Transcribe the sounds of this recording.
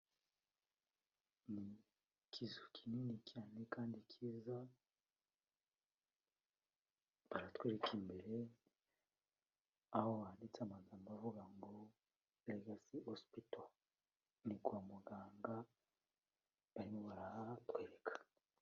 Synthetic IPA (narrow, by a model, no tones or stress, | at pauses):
ni | kʰizukʰininikjaːnekaːndikʰiːza | βaɾatweːɾekimbe̞ɾe̞ | ahoβaaːndit͡seamazamuβavuɡaŋɡo | leɡasihospito | niɡuamuɡaːŋɡa | βaɾimoβaɾatwe̞ːɾekʰḁ